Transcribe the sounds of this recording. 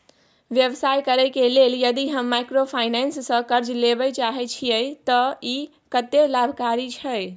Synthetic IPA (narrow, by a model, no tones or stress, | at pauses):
ʋjəʋsajkəɾəkeleljəd̪iɦəmːajkɾopʰajnɛnsːə̃kəɾd͡ʒlebət͡ʃaɦɛt͡ʃʰijəjt̪əi | kət̪ːelabʱkaɾit͡ʃʰəj